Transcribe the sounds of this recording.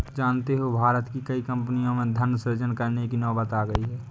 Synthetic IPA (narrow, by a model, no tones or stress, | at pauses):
d͡ʒaːnt̪eɦobʱaːɾət̪kikəikə̃mpnijõmẽd̪ʱənːsəɾd͡ʒənkəɾnekinɔːbət̪aːɡəiɦɛː